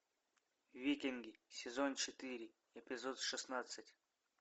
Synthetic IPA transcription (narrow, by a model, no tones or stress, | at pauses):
vvʲikʲɪnɡʲɪsʲɪzont͡ɕɪt̪ɨɾʲɪ | ɪpʲɪzot̪ʂɨsnat̪sɨtʲ